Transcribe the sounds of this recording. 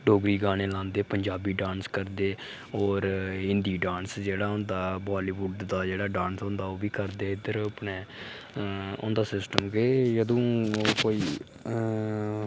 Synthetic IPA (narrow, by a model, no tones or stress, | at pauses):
ɖoːɡɾiːɡaːɽ̃eːlãːnd̪eːpəɲd͡ʒaːbiːɖãːnskəɾd̪eː | ɔːɾɪnd̪iːɖãːnsd͡ʒeːɽaːɦʊ̃nd̪aːbaːliːʋʊɖd̪aːd͡ʒeːɽaːɖãːnsõːnd̪aːoːbiːkəɾd̪eːɪd̪əɾpneː | ʊ̰̃ːnd̪aːsɪsʈəmkɪjəd̪õːkoːiː